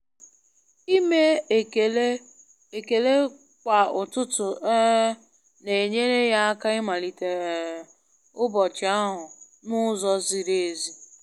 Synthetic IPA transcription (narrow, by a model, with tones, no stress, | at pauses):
i˦me˦˨l | e˨ke˨le˦ | kʷa˨ʊ˨tʊ˦tʊ˨e˦ | ne˨ɲe˦ɾe˦ja˦a˦ka˦ɪ˦ma˨li˨te˨ | ʊ˦bɔ˨t͡ʃɪ˨˦a˦ɦʊ˨ | nʊ˦zɔ˦zi˨ɾe˨e˨zi˦